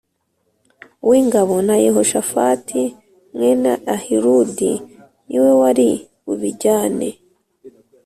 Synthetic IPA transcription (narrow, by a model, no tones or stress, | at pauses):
uwiːŋɡaβo̞najeho̞ʃafa̰tʰi | mŋe̞naahiɾudi | niwe̞waɾi | uβiɟaːnḛ